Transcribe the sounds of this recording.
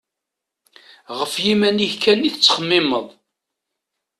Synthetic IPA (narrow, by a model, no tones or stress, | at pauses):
ʁəfjimænihkænːiθət͡sːχəmːɪməðˤ